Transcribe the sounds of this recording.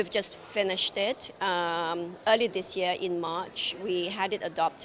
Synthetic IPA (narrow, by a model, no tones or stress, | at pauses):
ivd͡ʒasfɪnɪʃtɪtʌməːlid̪ɪsjiəʔɪ̃nmat͡ʃwiɦædɪtədɔp̚t